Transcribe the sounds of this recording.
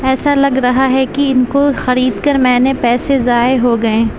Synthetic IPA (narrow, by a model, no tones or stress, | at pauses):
ɛːsalɐɡɾɐɦaɦɛkiɪnkoxɐɾiːd̪kɐɾmɛ̃ːnepɛːsezaːeɦoɡɐẽː